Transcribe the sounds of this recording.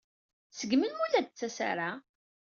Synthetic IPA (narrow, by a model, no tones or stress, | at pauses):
səɡmənmulæd̪̚t͡sːæsa̰ɾa